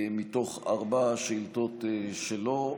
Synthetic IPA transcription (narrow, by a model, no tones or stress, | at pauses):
mit̪o̞χaʁbaʃilt̪otʃelo